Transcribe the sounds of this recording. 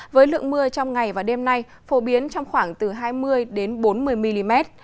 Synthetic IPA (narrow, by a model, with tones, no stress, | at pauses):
vəː˨˦jlɨ̰˧˨əŋmɨ˧ət͡ɕɔ˧wŋ͡mŋa˨˩jvaː˨˩ɗe˧mna˧j | fo˨˦ɓi˨˦ənt͡ɕɔ˧wŋ͡mxwaː˧˩ŋt̪ɨ˨˩ɦaː˧jmɨ˧əjɗe˨˦nɓo˨˦nmɨ˨˩əjmi˧li˧mɛ˦˥t̚